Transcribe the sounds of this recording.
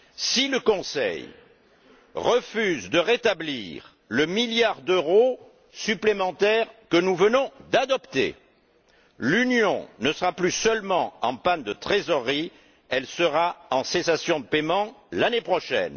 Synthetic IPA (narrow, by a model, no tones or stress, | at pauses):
siləkɔ̃sɛ̰j | ʁəfyzd̪əʁet̪abliʁ | ləmiljaʁd̪øʁo | syplemɑ̃t̪ɛʁkənuvənɔ̃d̪ad̪ɔpt̪ḛ | lynjɔ̰̃nəsəʁaplysœlmɑ̃ɑ̰̃pand̪ət̪χezɔʁːi | ɛlsəʁaɑ̃sesasjɔ̃d̪əpemɑ̃lanepχɔʃɛ̰n